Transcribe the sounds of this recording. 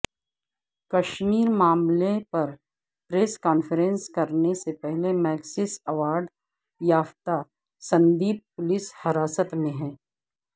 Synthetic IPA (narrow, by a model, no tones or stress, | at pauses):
kɐʃmiːɾmaːmlepɐɾ | pɾeːskaːnfəɾẽnskɐɾnesepɛɦlemɛːɡsɪsɐʋaːɾɖ | jaːft̪a | sɐ̃nd̪iːb̚pʊlɪshɐɾaːsət̪mẽɦɛ̃ː